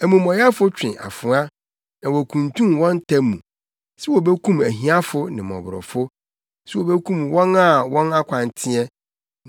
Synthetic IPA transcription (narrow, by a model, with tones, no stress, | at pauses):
æ˨mũ˨mɔ̃˨ja˦fʊ˦t͡ɕᶣɪ̰̃˨ʔa̰˨fʊ̃˨a˦ | nã˨wɔ˨kʰũ˨ntʰũ˦mwɔ̃˦n˦tʰã˦mũ˨ | sɛ˦wo˨be˦kʰũ˦mæ˨ɦĩ˦a˦fʊ˦nɪ̃˨mɔ̰̃˨bɾɔ̰˨fʊ˦ | sɛ˦wo˨be˦kʰũ˦mwɔ̃˦na˦˨wɔ̃˦na˦kʷʰã˨n˨tʰɪ̃˦ɛ˦